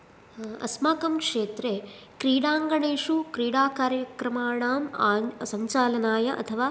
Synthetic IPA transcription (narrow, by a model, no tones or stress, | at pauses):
ɐ̰smaːkɐmkʂeːt̪ɾe | kɾiːɽaːŋɡɐɳeːʂukɾiːɽaːkaːɾjɐkɾɐmaːɽaːmːsɐɲt͡ʃaːlɐnaːjɐʔɐ̰t̪ʰɐʋaː